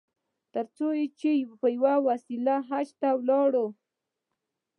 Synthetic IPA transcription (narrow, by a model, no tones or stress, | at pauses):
t̪əɾt͡sojet͡ʃepəjwawasilaɦat͡ʃt̪awlɑɽo